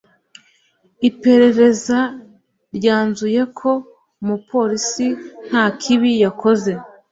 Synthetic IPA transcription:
ipe̞ɾe̞ɾe̞za | ɾɟaːnzuje̞kʰo̞ | mupo̞ːɾisin̥haːkʰiβijako̞ze̞

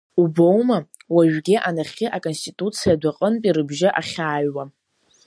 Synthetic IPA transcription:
ubowma | waʒᶣɡʲɪʔanaχʲɪʔakʼo̞nstitʼut͡sʰijadʷaqʼənpʼiɾɨbʒɪʔaχʲaːɥwa

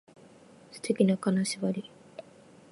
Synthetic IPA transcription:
sɨ̥t̪ʰe̞kʲinakanaɕibaɾʲi

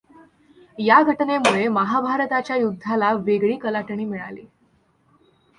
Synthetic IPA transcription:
jaɡʱəʈnemuɭeməɦabʱaɾət̪at͡ɕjajud̪ʱːalaʋeɡɭiːkəlaʈɳiːmiɭa̰liː

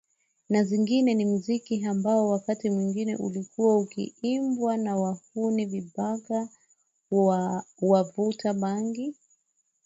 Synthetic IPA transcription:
naziŋɡinɛnim̩zikiambaɔwakatimwiŋɡinɛ̰ʔṵlikʰuwaukḭimbwanawahuniviɓaɡa | wavutaɓaŋɡi

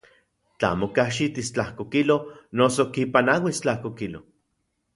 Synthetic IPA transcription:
t͡ɬa̰mokaʃit̪ist͡ɬahkokilonosokipanawist͡ɬahkokilo

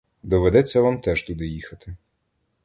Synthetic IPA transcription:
d̪ɔʋed̪ɛt͡sʲːɐʋamt̪ɛʒ̥t̪ud̪ɪjixɐt̪ɪ

